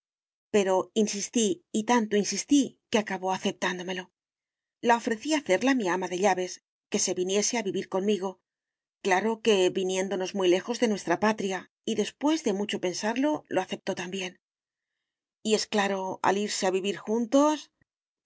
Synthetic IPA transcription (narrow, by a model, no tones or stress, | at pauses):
pe̞ɾo̞insist̪iːt̪ant̪o̞insist̪ikeakaβo̞aθe̞p̚t̪and̪o̞me̞lo̞ | lao̞fɾe̞θiaθe̞ɾlamiamaðe̞ʎaβe̞s | ke̞se̞βinje̞se̞aβiβiɾko̞nmiɣo̞ | klaɾo̞ke̞βinjẽ̞nd̪o̞no̞zmujle̞xo̞zðe̞nwe̞st̪ɾapat̪ɾia | iðe̞spwe̞zðe̞mut͡ʃo̞pe̞nsaɾlo̞lo̞aθe̞p̚t̪o̞t̪ambje̞n | ie̞sklaɾo̞a̰liɾse̞aβiβ̞iɾxunt̪o̞s